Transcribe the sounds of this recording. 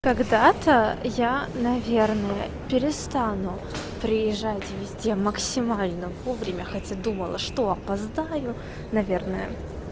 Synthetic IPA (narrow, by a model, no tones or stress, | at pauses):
kɐɡd̪at̪əjanɐvʲe̞rnəjə | pʲɪɾʲɪst̪anʊ | pɾʲɪjɪʐːatʲvʲɪzʲdʲeməksʲɪmalʲnəvo̞vɾʲɪmʲəxɐtʲad̪uməlˠəʂt̪o̞ɐpɐzd̪ajʊ | nɐvʲe̞rnəjə̰